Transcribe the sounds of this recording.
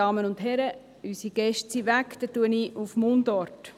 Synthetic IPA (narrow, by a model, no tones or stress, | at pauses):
ɑːmənʊndɦɛɾə | ysiɡ̥ɛʃtsiʋækt̪ətuəniʔufmoːndɔɾt